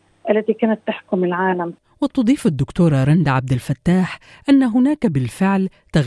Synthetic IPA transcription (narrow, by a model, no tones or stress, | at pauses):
ʔalːat̪iːkaːnat̪ːaħkʊmɪlʕaːlam | wɪt̪ˤːɑd̪ˤiːfad̪ːʊkt̪uːɾˤɑɾˤɑnd̪ʕab̚d̪ɪlfat̪ːaːħ | ʔanːaɦʊnaːkabɪlfɪʕl | t̪aɣ